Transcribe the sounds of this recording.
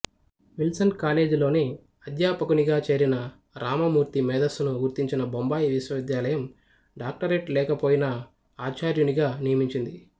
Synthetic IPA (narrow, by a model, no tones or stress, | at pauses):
ʋilsɐnkaːle̞ːd͡ʒulo̞ːne | ɐd̪jaːpɐkuniɡaːt͡ʃe̞ːɾinɐ | ɾaːmɐmuːɾt̪imɛːd̪ɐsunuɡuɾt̪iɲt͡ʃinɐbombaːjiʋiʃwɐʋid̪jaːlɐjɐm | ɖaːk̚ʈɐɾeʈlɛːkɐpo̞ːjinɐ | aːt͡ʃaːɾjuniɡaːnijɐmiɲt͡ʃind̪i